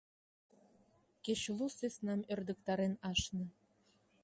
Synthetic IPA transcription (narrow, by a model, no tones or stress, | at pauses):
keɕlusesnɑmø̆rd̪ə̆k̚t̪ɑɾenɑʃnɤ̆